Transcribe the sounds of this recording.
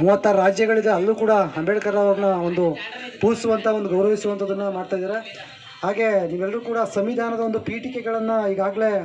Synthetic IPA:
muːɐt̪ːaːɾɾaːd͡ʒjɐɡɐɭid̪eɐlːuːkuːɽɐɐmbɛʈkɐɾɐʋaɡɐnɐo̞nd̪upuːsuʋɐnt̪ʰɐo̞nd̪uɡɐwɾɐʋisuʋɐnt̪ʰoːd̪ɐnːɐmaːɽt̪aːjd̪aːɾe̞ | haːɡe̞niːʋɛlːɐɾuːkuːɽɐsɐmʋid̪ʱaːnɐd̪ɐond̪upiːʈikeɡɐɭɐnːɐiːɡaːɡle̞

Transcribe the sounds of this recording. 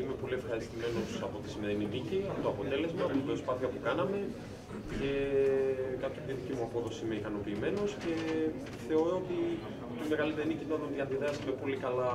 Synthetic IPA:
ime̞po̞lie̞fxɐɾist̪ime̞no̞sɐpo̞t̪i̥sime̞ɾininiciɐfut̪oɐpot̪e̞le̞zmeɐfot̪ibɾo̞spɐθiɐpukɐnɐme̞ | ce̞ | kɐpt̪iðit̪icimuɐpo̞ðo̞siime̞ikɐno̞piːme̞no̞sce̞ | θe̞o̞ɾo̞ot̪i | t̪ime̞ɣɐlit̪enicit̪ɐðonðiɐnðiðeɐsime̞po̞likɐlɐ

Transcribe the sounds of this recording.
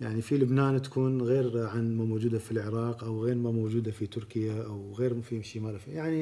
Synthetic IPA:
jaʕnifilʊbnaːnt̪ḁkuːnɣeːɾʕanmamod͡ʒuːd̪afilʕɪɾˤɑːqʔawɣeːɾmamoːd͡ʒuːd̪afit̪ʊɾkɪjaʔawɣeːɾmfiʃimaːlafijaʕni

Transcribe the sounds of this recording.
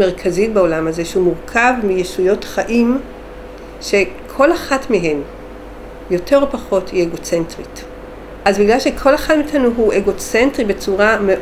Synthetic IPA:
eʁkʰazitbeo̞lamaze̞ʃehumuʁkʰavmijeʃujo̞tχaʔim | ʃe̞kʰo̞laχatmiɦe̞m | jo̞tʰeʁopaχo̞thieɡo̞t͡sentʁit | ʔazbiɡlalʃekʰo̞laχatmiːtanuɦuʔeɡo̞t͡sentʁibe̞t͡suʁame

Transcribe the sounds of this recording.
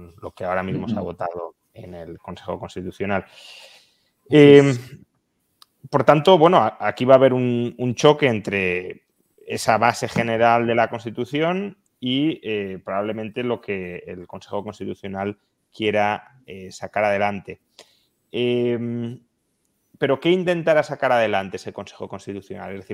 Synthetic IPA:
nlo̞keaoɾamizmo̞saβo̞t̪að̞o̞ | e̞ne̞lko̞nse̞xo̞ko̞nst̪it̪uθjo̞nal | e | po̞ɾt̪ant̪o̞βwe̞noaakiβaːβ̞e̞ɾununt͡ʃo̞ke̞ent̪ɾe̞ | e̞saβase̞xe̞ne̞ɾald̪e̞lako̞nst̪it̪uθjo̞n | iepɾoβaβle̞mẽnt̪e̞lo̞ke̞̰ːlko̞nse̞xo̞ko̞nst̪it̪uθjo̞nal | kje̞ɾa | esakaɾað̞e̞lant̪e̞ | em | pe̞ɾo̞ke̞int̪e̞nt̪aɾasakaɾaðe̞lant̪e̞ese̞ko̞nse̞̥xo̞konst̪it̪uθjo̞na̰lezðe̞θiɾ

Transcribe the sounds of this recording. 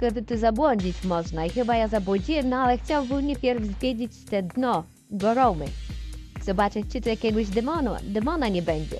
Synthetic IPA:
kɛd̪ɨt̪ɨzabwɔɲd͡ʑit͡ɕmɔʐnaixɘbajazabwɔd͡ʑijɛnɔalɛxt͡ɕawbɨwɲʲepʲjɛɾvzvʲjed͡ʑit͡ɕt̪ɛd̪nʲɔ | ɡɔɾɔwmɨ | zɔbat͡ʂɨt͡ɕɨt̪ɔjakʲɛɡwɪɕd̪ɛmɔn̰d̪ɛmɔnaɲʲɛbɛɲʲd͡ʑɛ̰

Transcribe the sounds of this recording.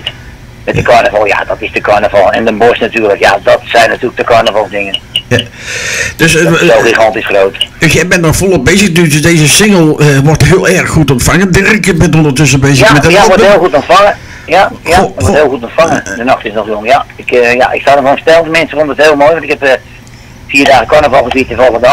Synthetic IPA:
mɛtdəkɔɹnəvɑlˠja̰dɔtɪsdəkɔɹnəvɑlˠɛ̰ndənbɔsnatyːɹləkjadɔtsɛjnːatyːlək̚dəkɔɹnəvɔlˠdɪŋənja | d̥øsoxixɑntisχrowtdsjɛjbɛntnɔxfolˠəbejzəxnydøsdeːzəsɪŋəlˠəʋɔrtɦɪəlˠɛrxːutɔntfaŋədɛrɪkjəbɛntondərtøs̬əbejzəxmɛdɔheːlˠxutɔntfaŋə | jajatɔthɪəlˠxutɔntfaŋədənɑχtɪsnɔxjoŋjaɪkja̰ʔɪkstadəvostɛlˠtəmɛnsəfondəəthɪːlˠmojʋɑntɪkhɛp | fiːrdaːɣəkɔɹnəvɑlˠxəsiətɛnvolˠəɣənd

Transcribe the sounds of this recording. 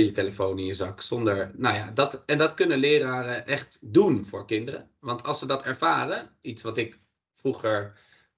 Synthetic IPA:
jəteləfownɪnjəzɑksɔndəɹnowjaːdɑtɛndɑtkɵnəlɪːɾaːrəʔɛχtdunvʊ̰ːɹkɪndərə̰ | ʋɑntʰɑlˠsʋədɑtɛɹv̥aːrəitsʋɑtɪk | fruχəɹ

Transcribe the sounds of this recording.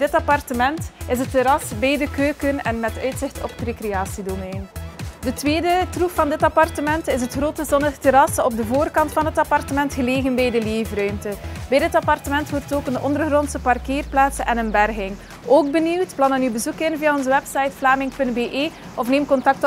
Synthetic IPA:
dɪtɑpɑrtəmɛntɪsətːeɾɑsbɛjdəkøːkənɛnmɛtœɥtsɪxtʰɔ̰pə̥trekrejaːsidomɛjndətʋeːdətruffɑndɪtɑpɑrtəmɛntɪs̬ətxroːtəzɔnəxteɾɑsɔb̚dəvoːrkɑntfɑnɦətɑpɑrtəmɛntxəleːɣənbɛjdəleːvrœɥmtəbɛjdɪtɑpɑrtəmɛntwɔrtoːkənɔ̰ndərɣrɔntsəpɑrkeːrplaːtsəʔɛnənbɛrɣɪŋ | oːɡ̚bəniwtplɑnənybəzukɪnviːaɔnzəwɛpsɑjtflaːmɪŋpɵntbeːʔeː | ɔfneːmkɔntɑk̚t

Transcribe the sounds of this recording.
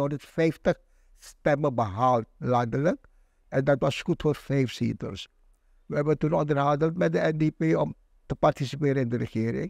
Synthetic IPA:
ɦɔndərtfɛjftəχ | stɛməbəɦaːlˠt̚lɑndələk | ɛndɑtʋɑskutfoːrfɛjfsitə̰ls | ʋəɛbətunɔndərɦɑndəltmɛt̚dəɛndipeɔm | təpartisipɪːɾəɪndərəχɪːɾɪ̰ŋ

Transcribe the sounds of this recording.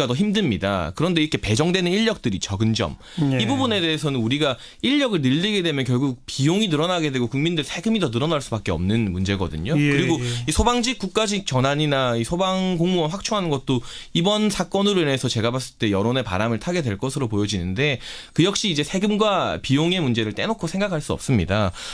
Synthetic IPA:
atʌçimdɯmɲida̰kɯɾʌnde̞iɾʌkʰe̞pe̞d͡ʑʌŋdwe̞nɯniʎːʌk̚t͈ɯɾit͡ɕʌɡɯnd͡ʑʌ̰m | ibubune̞de̞esʰʌnɯnuɾiɡa | iʎːʌɡɯɭnɯɭːiɡede̞mjʌnkjʌɭɡuk̚pijoŋinɯɾʌnaɡe̞dwe̞ɡokuŋmindɯɾisʰe̞ɡɯmidʌnɯɾʌnaɭs͈ubak͈e̞ʌ̰mnɯnmund͡ʑe̞ɡʌ̰dɯ̰ɲokɯɾiɡoisʰobaŋd͡ʑik͈uk̚k͈ad͡ʑik̚t͡ɕʌnaɲinaisʰobaŋkoŋmuʌnɸwak̚t͡ɕʰoŋɦanɯnɡʌt̚t͈oibʌnsʰak͈ʌnɯɾoine̞sʰʌt͡ɕe̞ɡabas͈ɯɭt͈e̞jʌɾone̞pa̰ɾamɯɭtʰaɡe̞dwe̞ɭk͈ʌsʰɯɾopojʌd͡ʑinɯnde̞kɯjʌk̚ɕ͈iːd͡ʑe̞sʰe̞ɡɯmɡwapijoŋe̞mund͡ʑe̞ɾɯɭt͈e̞nokʰosʰe̞ŋɡakʰaɭs͈uʌp̚s͈ɯmɲida

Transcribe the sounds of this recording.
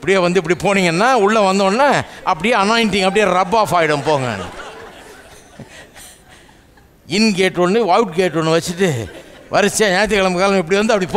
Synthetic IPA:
ɪpːɐɽɪjeːʋɐnd̪ɯɪp̬ːɐɽipoːniːŋɡɐnːaːʊɭːɐʋɐnd̪õːnːaːʔɐpːɐɽɪjeːɐnaːɪnʈɪŋɡɐp̬ːɐɽɪjɐɾɐɾɐbːaːfaːjɪɽɐmpoːŋɡɐ̰n̰ː | ɪnkeːʈːɔnːɯʋajʈkeːʈːɔnːɯʋɐt͡ʃːɯʈːɯʋʔɐɾɯt͡ʃːaːɲaːjɐt̪̬ːɯkɐɭɐmkaːlɐmɪpːɐɽiʋɐnd̪ɯɐpːɐɽipo

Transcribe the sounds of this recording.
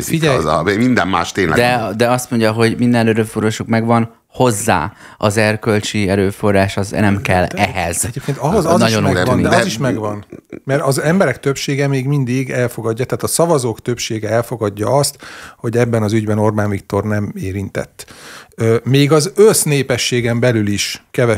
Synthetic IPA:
iɛz̰emind̪ɛ̰mma̰ːʃt̪eːnlɛ̰d̪ɛd̪ɛɒst̪mo̞ɲɟɒɦo̞ɟmind̪ɛnnøɾøfuɾoʃukmɛɡʋɒn | ho̞zːa̰ː | ɒzɛrkø̞lt͡ʃiɛɾøːfo̞rːaːʃɒznɛmkɛlːɛɦɛz̥ɛeːp̚keːnt̪ɒɦoznɒɟond̪ɛɒziʃmɛɡʋɒnmɛɾɒzɛmbɛɾɛkt̪øpʃeːɡɛmeːɡmind̪iɡɛlfo̞ɡɒɟːɒt̪ɛːt̪ɒsɒvɒzoːkt̪ø̞pʃeːɡɛɛlfo̞ɡɒɟːɒɒst̪ho̞ɟɛbːɛnɒzyɟbɛno̞rbaːnvikt̪o̞rnɛmeːɾint̪ɛ̰t̪ːømeːɡɒzøsneːpɛʃːeːɡɛmbɛlyliʃkɛvɛ

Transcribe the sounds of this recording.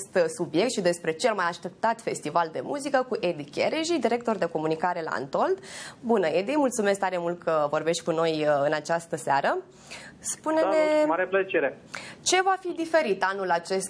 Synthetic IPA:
st̪subjekt̪ʃid̪e̞spɾe̞t͡ʃe̞lmajaʃt̪e̞p̚t̪at̪fe̞st̪ivald̪e̞muzikəkuʔed̪ikʲeɾeʒid̪iɾe̞k̚t̪o̞rd̪e̞ko̞munikaɾe̞la̰a̰nt̪o̞ld̪bunəed̪imult̪sumesk̚t̪aɾe̞mult̪̚kəvo̞rbe̞ʃt̪ʲkuno̞jɨnat͡ʃast̪əseaɾə | spuneeaɾelət͡ʃeɾe | t͡ʃe̞vafid̪ife̞ɾit̪anulat͡ʃe̞st̪

